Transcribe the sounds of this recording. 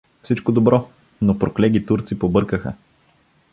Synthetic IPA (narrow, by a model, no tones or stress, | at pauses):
fsit͡ʃkod̪obɾɔ | nopɾoklɛɡit̪uɾt̪sipobɤɾkəxə̰